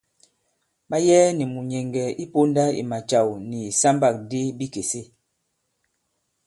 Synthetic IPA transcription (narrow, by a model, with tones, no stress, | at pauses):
ɓa˦jɛː˦ni˨mu˨ɲɛ˨ŋɡɛ˨i˦po˦nda˦ḭ˨ma˨t͡ʃa˨wni˨sa˦mba˨k̚de˦bi˦ke˨se˦